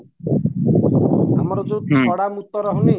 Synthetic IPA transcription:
amɔɾɔd͡ʒot̪ʰɔɽamut̪ɔɾɔɦɔni

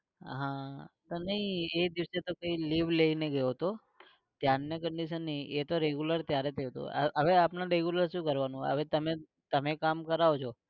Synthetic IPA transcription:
ɦãt̪onəɦĩed̪iʋəset̪okəiliʋleineɡəjoɦt̪o | t̪janːjəkəɳɖiʃənːiʔet̪oɾeɡjuləɾt̪jaɾet̪ʰəjot̪o̰ə̰əʋeapnaɾeɡjuləɾʃũkəɾʋanũə̰ʋet̪əme | t̪əmekamkəɾaot͡ʃʰo

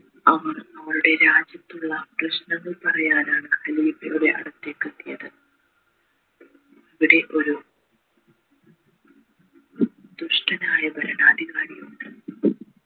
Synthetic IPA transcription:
ɐʋɐrnɐmːɐɾuɽe̞ɾaːd͡ʑjɐt̪ːuɭːɐprɨɕnɐŋːɐɭpɐrɐjaːnaːɳɨhɐliːbɐjuɽe̞ʔɐ̰ɽɐt̪ːeːkːɐt̪ːijɐðɨ | ɐʋiɽe̞ʔo̞ɾu | d̪̥uʂʈɐnaːjɐbʱɐɾɐnaːd̪iɣaːɽijuɳɖɨ

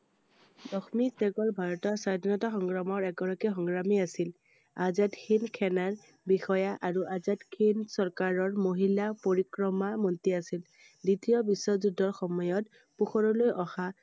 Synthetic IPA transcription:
dɔxmisɛɡɔlbʱaɹɔtɔɹsadʱinɔtaxɔŋɡɹamɔɹɛɡɔɹakixɔŋɹamiasil | azatkʰinkʰɛnaɹ | bixɔjaʔaɹuʔazadkʰinsɔɹkaɹɔɹmoɦilapoɹikɹɔmamɔntiasil | ditijɔbisːɔzudʱɔɹxɔmɔjɔt | puxɔɹɔlojʔɔxa

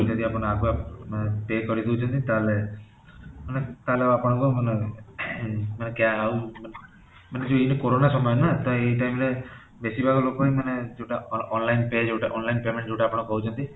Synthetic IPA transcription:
t͡ʃʰənt̪iapəɽ̃akuamnepekɔɾid̪iut͡ʃʰɔ̃nt̪it̪ale | manet̪aleapɔɽ̃ɔkomane | manekjaaumn | maned͡ʒoinekoɾonasɔmɔjɔnat̪ɔeiʈaimɾe | besibʱaɡloːkoimaned͡ʒewʈaɔnlainped͡ʒeʈaʔɔ̰nlainpemẽɳʈd͡ʒewʈaːpɔɽ̃ɔkɔɦut͡ʃʰɔ̃nt̪i

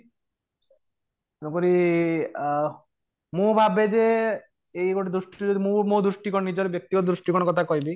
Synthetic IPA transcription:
onokoɾi | mũbʱabed͡ʒe | ejɡoʈed̪ɾuʃʈid͡ʒod̪imũmõd̪ɾuʃʈikonnid͡ʑɔɾebjek̚t̪iɡɔt̪d̪ɾuʃʈikoñkɔt̪ʰakɔɦibi

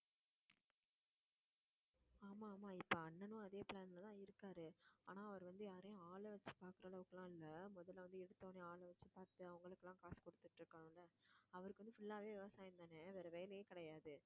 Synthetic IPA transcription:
aːmaːmaːɪpːoɐɳːɐnʊ̃ɐðeːpɭaːnlɐt̪ãːɪɾɯkːaːɾɯa̰ːnãːɐʋɐɾɯʋɐnd̪ɯjaːɾɐjʊ̃aːlɐʋɐt͡ʃːɯ̥paːɾkɯɾɐːɭɐʋɯkːlãːɪlːɐmɔðɐlːʋɐnd̪ɯɛɽɯt̪ːɐːnẽaːlɐʋɐt͡ʃːɯpaːɾt̪ɯɐʋɐŋɡɐɭɯkːɯlːãːkaːskɔɽɯt̪ːɯʈːɾɯkːɐɳʊ̃ɪlːɐɐʋɐɾɯkːʋɐnd̪ɯfʊlːaːɾeːɪʋɐsaːjɐnd̪aːnɐʋɛːɾɐʋɛjɐlɐjeːkɪɽɐjaːðɯ

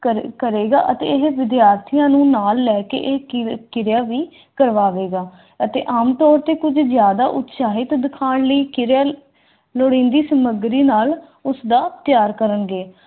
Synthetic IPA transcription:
əkəɾeːɡa̰ːʔət̪ḛːɪɦʋɪd̪ɪjaːɾt̪ʰijãːnũːnaːlːɛːkḛːʔekɪɾjaːʋiː | kəɾʋaːʋeːɡaː | ət̪ḛːʔaːmt̪ɔːɾt̪eːkʊd͡ʒzjaːd̪aːʔʊt̪saːɦɪt̪d̪ɪkʰaːɳləiːkɪɾaː | loːɽĩːnd̪iːsəməɡɾiːnaːl | ʊsd̪aːt̪jaːɾkəɾənɡeː

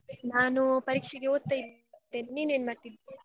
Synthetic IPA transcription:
naːnupɐɾiːkʂɛɡeoːd̪̚t̪ːɐjb̪ | t̪ːeːnniːne̞ːnmaːʈːid̪

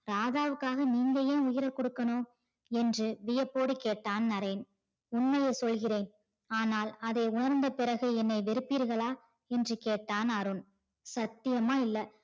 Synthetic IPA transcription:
ɾaːðaːʋɯkːaːɣɐniːŋɡɐjeːʊjɪɾɐɾkɔɽɯkːɐnoː | ɛndrɯʋɪjɐpːoːɽikeːʈːaːnnɐɾɐɪn | ʊnmɐjɐɪsɔlɣɪreːn | aːnaːlɐðɐɪʊnɐɾnd̪ɐpɪɾɐɣɯɛnːɐɪʋɪɾɯpːiːɾɣɐɭaː | ɛndrɯkeːʈːaːnɐɾɯn | sɐt̪ːɪjɐmaːɪlːɐ

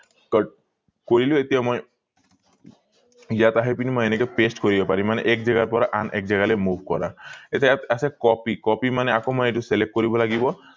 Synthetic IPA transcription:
k | koɹiluet̪ijamoj | ijat̪aɦepinimojenekɛpesʈkoɾibɛpaɾimanɛ̰ʔɛkd͡ʒɛɡaɾpɔɾaʔa̰nʔɛ̰k̚d͡ʑɛɡalemubʱkɔ̰ɾa̰et̪asɛkɔpikɔpimanɛakomɔjeʈuselek̚ʈ̚koɾibɔlaɡibɔ

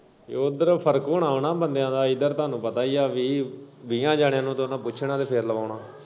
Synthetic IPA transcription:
oːd̪əɾpʰəɾəkoːɳaːʊɳaːbənd̪jãːd̪aːɪd̪əɾt̪oaːnũːpət̪aːiːaːʋiːʋiːãːd͡ʒaːɽjãːnũːt̪onãːpʊt͡ʃʰnaːd̪eːpʰeːɾləʋaːʊɳaː

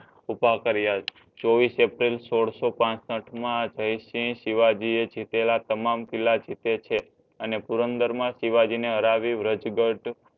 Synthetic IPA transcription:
upakəɾja | t͡ʃoʋisepɾilsoɽsopãsəʈʰmãd͡ʒəjʃĩʃiʋad͡ʒied͡ʒʱit̪elat̪əmamkilːad͡ʒʱit̪et͡ʃʰe | ənepuɾənd̪əɾmãʃiʋad͡ʒineɦəɾaʋiʋɾəd͡ʒɡəʈ

